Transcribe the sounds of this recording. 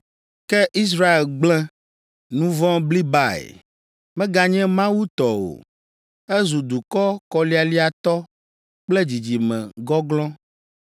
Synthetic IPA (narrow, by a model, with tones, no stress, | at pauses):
kɛ˦ʔi˦s̬ɾa˦e˨lɡ͡blɛ̃˦ | nũ˦vɔ̃˦bli˦ba˦ḛ˨ | mɛ̃˦ɡa˦ɲɛ̃˦mã˦wu˦t̪ɔ˨wo̰˨ | ɛ˦zu˨d̪u˨kɔ˦kɔ˨li˦a˨li˦a˨t̪ɔ˦ | k͡plɛ˦d͡ʑi˨d͡ʑi˨mɛ̰̃˨ɡɔ˦ɡlɔ̃˦